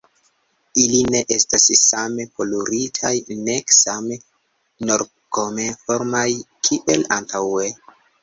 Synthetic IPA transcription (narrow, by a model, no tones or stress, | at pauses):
iline̞ʔestassameko̞loɾitʰajneksame | noɾ | kome̞fo̞ɾmajkʰiʔelantʰawe